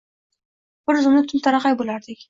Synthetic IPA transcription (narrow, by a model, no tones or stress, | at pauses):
b̥ɪɾzʊmnɪt̪ʰʊmt̪ʰaɾɑqɑjbolaɾd̪ɪkʲ